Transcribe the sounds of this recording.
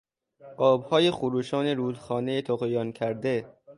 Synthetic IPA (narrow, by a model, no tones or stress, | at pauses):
ʔɒːbhɒːjexuɾuːʃɒːneɾuːd̪xɒːnejet̪ʰoɣejɒːncʰæɾd̪e